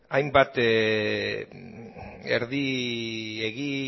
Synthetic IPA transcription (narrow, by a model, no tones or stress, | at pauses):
ajmbat̪ | ḛɾði | eɣi